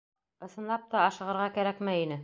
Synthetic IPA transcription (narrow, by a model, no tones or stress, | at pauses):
ɤ̆sɤ̆nlˠɑp̚t̪ɑːʃɤ̆ʁɤ̆ɾʁɑkæɾækmæjinɘ